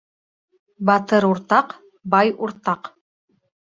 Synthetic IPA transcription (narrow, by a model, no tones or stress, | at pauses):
bɑt̪ɤɾuɾt̪ɑq | bɑjuɾt̪ɑq